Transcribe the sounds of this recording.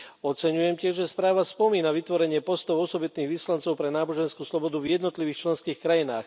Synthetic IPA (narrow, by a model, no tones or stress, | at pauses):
ɔt͡sɛɲujɛmcɪɛʒʒɛspɾaːʋaspɔmiːnaʋit̪ʋɔɾɛɲɪɛpɔst̪ɔʊɔsɔbit̪niːɣʋislant͡sɔʊpɾɛnaːbɔʒɛnskuːslɔbɔd̪uvjɛd̪nɔt̪liʋiːxt͡ʃlɛnskiːxkɾajina̰ːx